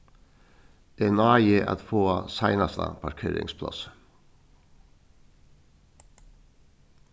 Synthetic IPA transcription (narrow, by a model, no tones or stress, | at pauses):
ɛnɑːjeʔɑ̰t̪foːɑsæɪnɑst̪ə̰pʰɑɾkʰeːɾɪ̰ŋspʰlɑ̰s